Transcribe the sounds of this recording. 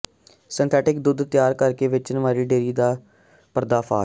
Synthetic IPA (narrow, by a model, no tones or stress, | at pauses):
sɪnt̪ʰɛːʈɪk̚d̪ʊd̪t̪jaːɾkəɾkeːʋɪt͡ʃnəʋaːɾiːɖeːɾiːd̪aː | pəɾd̪aːpʰaː